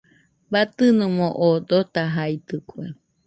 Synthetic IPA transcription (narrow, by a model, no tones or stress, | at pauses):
bat̪ɨnɨ̃mõʔod̪ot̪aɦait̪ɨkue